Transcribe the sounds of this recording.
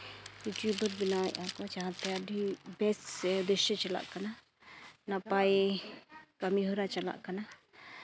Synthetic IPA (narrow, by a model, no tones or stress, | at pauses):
juʈjubəɾbinajʔakɔt͡ʃaɦãt̪ɛad̪ʱibɛsd̪ɛʃət͡ʃɛla̰ʔkana | napaj | kamiɦɔɾat͡ʃala̰ʔkana